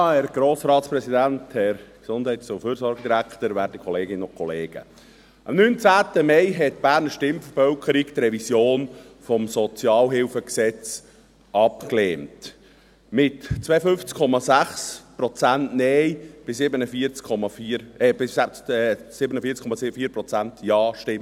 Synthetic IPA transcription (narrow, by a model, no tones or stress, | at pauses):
æɾɡ̥ɾoːsɾɑːtspɾɛsidænthɛɾksʊnd̥hɛɪtsʊfyːɾsɔɾɡəd̪iɾækt̪əɾvæːɾdikʰɔleːɡɪnːəʊnkʰɔleːɡ̥ə̰ | ʔɑmnynt͡sæːtəmɛɪɦɛtb̥æːɾnəɾʃtɪmfəɾfœlkəɾikt̪ɾɛvisjoːn | fɔmsɔt͡sjɑːlɦɪlfəksɛt͡s | ʔɑpkleːmt | mɪtt͡sʋɛjfʏnft͡skʰːɔmɑsæχspɾɔt͡sæntnɛjb̥ɪsɪbənəfiət͡skʰɔmɑfiɾɛbɪæɛsɪbənəfiːɾt͡skʰɔmɑsɪfiːpɾɔt͡sæntjɑːʃtɪm